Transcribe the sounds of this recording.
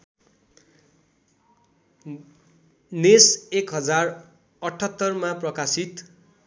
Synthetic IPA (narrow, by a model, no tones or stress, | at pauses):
nesekɦʌd͡zar | ʌʈʰʌt̪ːʌrmaprʌkasit̪